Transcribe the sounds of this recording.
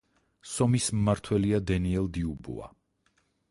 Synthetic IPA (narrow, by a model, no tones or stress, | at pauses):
sɔmismmaɾt̪ʰwɛliad̪ɛniɛlˠd̪iubṵa̰